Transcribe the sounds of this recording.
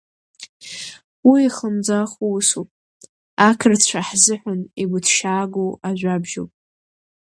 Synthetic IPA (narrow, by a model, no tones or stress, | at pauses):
wiiχəmd͡zaχuwʊsupʼ | akʰɨrt͡ɕʷʰaħzɨħʷᶣʊniɡʷʊtʰʃaːɡowaʒᶣʷabʒo̰wpʼ